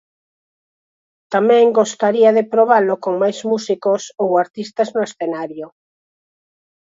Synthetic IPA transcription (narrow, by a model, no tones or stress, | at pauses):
t̪amɛ̃ŋɡost̪aɾiaðepɾoβ̞alokoŋmajzmusikosowaɾt̪ist̪aznoesθenaɾjo